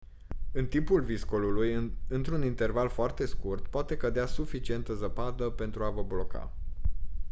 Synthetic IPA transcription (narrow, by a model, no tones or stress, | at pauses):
ɨnt̪impulviskolulujɨnt̪ɾunint̪e̞rvalfoart̪e̞skurt̪poat̪e̞kəd̪easufit͡ʃie̞nt̪əzəpad̪əpe̞nt̪ɾuavəblo̞ka̰